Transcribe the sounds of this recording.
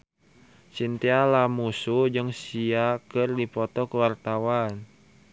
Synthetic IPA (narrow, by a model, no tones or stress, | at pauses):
sint̪ialamusud͡ʒɨŋsiakɨrdipɔt̪ɔkəwart̪awan